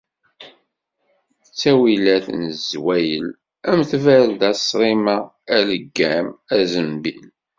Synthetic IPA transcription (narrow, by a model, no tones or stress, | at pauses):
ət͡sːæwilæθnzwæjəl | æmθvæld̪æsɾˤimæ | æləɡːæmæzəmbḭl